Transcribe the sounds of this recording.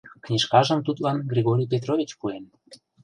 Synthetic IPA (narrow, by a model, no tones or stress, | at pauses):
knʲiʃkɑʒə̆mt̪ut̪lɑnɡɾʲiɣoɾʲijp̬ʲet̪rovʲit͡ɕpuen